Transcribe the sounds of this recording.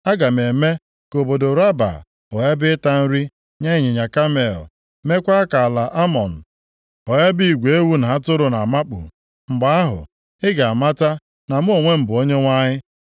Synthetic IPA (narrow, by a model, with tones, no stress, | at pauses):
a˦ɡa˨m˨e˨me˦ | ko˨bo˨do˨ɾa˦ba̰˨ | ɔ˨ja˦bɪ˦ta˦n̩˦ɾi˦ | ɲe˦ɲɪ˨ɲa˨ka˦me˨l | me˦kʷa˦ka˨la˨ʔa˦mɔ˨n̩˨ | ɔ˨ja˦bi˦i˨ɡʷe˦wu˦na˨ɦa˦tʊ˦ɾʊ˨na˨ma˦k͡pṵ˨ | ŋ͡m̩˨ɡ͡ba˦a˦ɦʊ̰˨ | ɪ˦ɡa˨a˨ma˦ta˦ | na˨m̩˦o˨ŋʷe˦m̩˨bʊ˨o˦ɲe˦ŋʷa˦ɲɪ˦